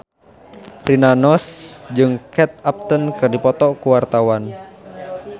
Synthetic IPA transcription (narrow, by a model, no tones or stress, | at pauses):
rinanɔsd͡ʒɨŋkɛt̪̚ap̚t̪ənkɨrdipɔt̪ɔkuwart̪awan